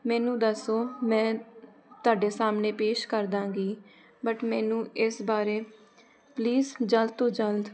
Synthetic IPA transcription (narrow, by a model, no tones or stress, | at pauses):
mɛ̃ːnũːd̪əsoːmɛ̃ː | t̪ʊaːɖeːsaːmneːpeːʃkəɾd̪ãːɡiː | bəʈmɛːnũːɪsbaːɾeː | pliːzd͡ʒəld̪̚t̪õːd͡ʒəld̪